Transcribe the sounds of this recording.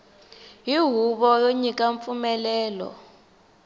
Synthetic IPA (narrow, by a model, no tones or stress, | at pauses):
jiɦuɓɔjoɲikʼaɱfumɛlɛːlɔ̰